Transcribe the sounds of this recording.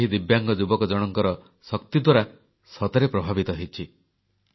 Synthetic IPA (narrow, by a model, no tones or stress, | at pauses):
ɦid̪ibjaŋɡɔd͡ʒubɔkɔd͡ʒɔɽ̃ɔŋkɔɾɔ | sɔk̚t̪id̪waɾa | sɔt̪ɔɾepɾɔbʱabit̪ɔɦet͡ʃʰi